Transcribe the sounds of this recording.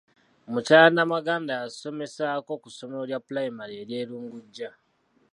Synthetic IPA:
mucaːnamaɡaːndaːso̞me̞saːko̞kuso̞moljapulajimaɾeɾje̞ːɾuːŋɡuɟːa

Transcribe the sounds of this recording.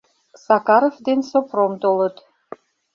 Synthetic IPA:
sɑkɑɾovd̪ensopromt̪olˠɤ̆t̪

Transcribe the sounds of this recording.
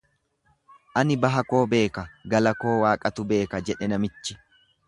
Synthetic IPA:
ʔɐnɪbɐɦɐko̞ːbe̞ːkɐɡɐlɐko̞ːwaːkʼɐt̪ʊbe̞ːkɐd͡ʒɛᶑɛnɐmɪt͡ʃːɪ̥

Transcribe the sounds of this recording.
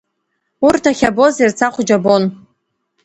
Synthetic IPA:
urtʰaχʲabozirt͡sʰaχʷʊd͡ʒabo̞n

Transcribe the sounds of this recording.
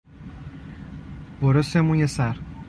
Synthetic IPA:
boɾosemũnjesæɾ

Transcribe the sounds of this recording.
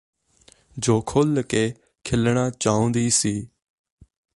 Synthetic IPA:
d͡ʒoːkʰoːləkeː | kʰɪlɳaːt͡ʃaːʊ̃nd̪iːsiː

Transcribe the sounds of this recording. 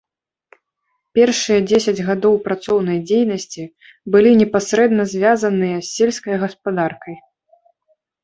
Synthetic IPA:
pʲɛrʂɨjɐd͡zʲesʲɐd͡zʲɣad̪ɔwpɾat̪sɔwnɐjd͡zʲejnɐsʲt͡sʲi | bɨlʲinʲɛpasɾɛd̪nɐzʲvʲazɐnɨjɐsʲːelʲskɐjɣɐspad̪arkɐj

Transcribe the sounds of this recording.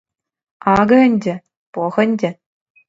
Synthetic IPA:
ɑɡɤ̆ɘ̆nʲdʲĕ | poxɘ̆nʲdʲĕ

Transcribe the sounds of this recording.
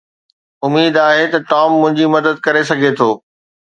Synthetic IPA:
ʊmiːd̪aːɦet̪ɐʈɔːmːʊ̃ɦɪ̃ɲd͡ʑimɐd̪əd̪̚kɐɾesɐɡʱet̪ʰoː

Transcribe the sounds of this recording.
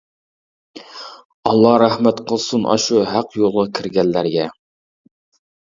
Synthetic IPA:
ɑlˠːɑɾæhmæt̪qʰə̆lˠsʊnʔɑ̰ʃuɦæqjolˠʁɑkʲʰɘɾɡʲælːæɾɡʲæ

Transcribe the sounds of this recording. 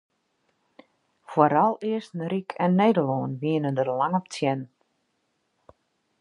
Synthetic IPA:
foɾalˠɪəsnrikʰɛnːeːdəloːnʋiənəndərlaŋəp̚tʰjɛn

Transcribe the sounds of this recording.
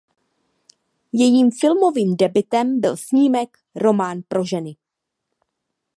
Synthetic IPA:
jɛjiːmfɪlmo̞viːmdɛbɪt̪ɛmbɪlsɲiːmɛk | ɾo̞maːnpɾo̞ʒɛnɪ

